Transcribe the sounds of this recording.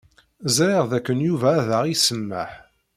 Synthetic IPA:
zɾiʁðækːənjuvæːðəʁisəmːæ̰ħ

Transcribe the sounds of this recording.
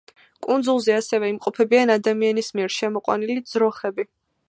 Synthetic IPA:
kʼund̪zulˠzɛasɛvɛimqʼɔpʰɛbianad̪amianismiɛɾʃɛmɔqʼwa̰nilid̪zɾɔχɛbi

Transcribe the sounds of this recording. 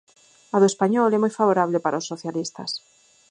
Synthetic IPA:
aðoespaɲɔlɛmojfaβoɾaβlepaɾʔaosːoθjalist̪a̰s

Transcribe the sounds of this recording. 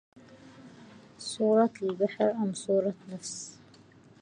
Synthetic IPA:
sˤuːɾˤɑlbaħɾʔamsˤuːɾˤɑnafs

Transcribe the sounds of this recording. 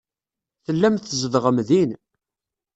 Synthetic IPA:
θəlːæmθəzəðʁəmðin

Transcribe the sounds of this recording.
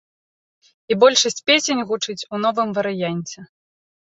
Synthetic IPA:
ibɔlʲʂɐsʲt͡sʲpʲesʲenʲɣut͡ʂɨt͡sʲunɔvɨmvɐɾɨjanʲt͡sʲɛ

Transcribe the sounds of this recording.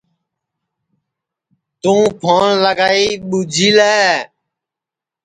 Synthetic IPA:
t̪ũːpʰoːnləɡaːiːɓud͡ʒʱiːlɛː

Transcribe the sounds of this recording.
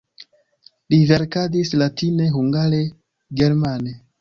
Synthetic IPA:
live̞ɾkadislatine̞ɦuŋɡaɾe̞ | ɡe̞ɾmane

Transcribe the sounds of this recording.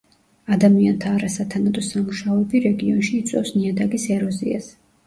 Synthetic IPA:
ad̪amiant̪ʰaːɾasat̪ʰanad̪ɔsamuʃaɔɛbiɾɛɡiɔnʃiːt̪sʼɛ̰fsniad̪akʼisɛɾɔzḭa̰s

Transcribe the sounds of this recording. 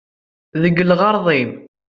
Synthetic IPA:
ðəɡːəlʁɑɾˤðˤim

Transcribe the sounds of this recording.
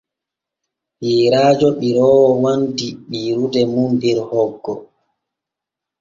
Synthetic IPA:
hiːɾaːd͡ʒɔɗiɾɔːwɔwandiɓiːɾudɛmumbiɾhɔɡːɔ

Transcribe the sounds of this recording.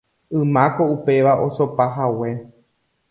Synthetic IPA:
ɨ̃mãko̞upe̞ʋaʔosopaɦawe

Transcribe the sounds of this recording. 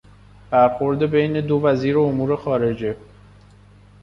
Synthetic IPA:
b̥æɾxo̞ɾd̪e̞be̞jne̞d̪o̞væziːɾeomuːɾe̞xɒːɾe̞d͡ʒe

